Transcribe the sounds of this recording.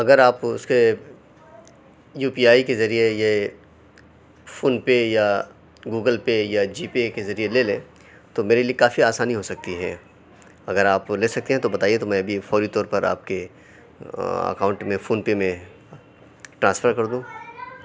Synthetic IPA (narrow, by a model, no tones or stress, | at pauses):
ɐɡəɾaːpʊ̰ske | juːpiaːikezɐɾieje | foːnpeja | ɡuːɡəlpejad͡ʒiːpekezɐɾieleːlḛ̃ː | t̪omeːɾeliekaːfiaːsaːniɦoːsɐk̚t̪iɦɛ̰ː | ɐɡəɾaːpleːsɐk̚t̪eɦɛ̃t̪obɐt̪aːiet̪omɛ̃ɐbʱifɔːɾit̪ɔːɾpɐɾʔa̰ːp̚ke | ɐ̰kaːʊ̃ɳʈmẽfoːnpemẽ | ʈɾãːnsfəɾkɐɾd̪ũː